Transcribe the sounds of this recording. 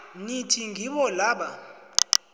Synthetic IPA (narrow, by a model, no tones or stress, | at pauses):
nitʰiŋiɓɔlaːɓa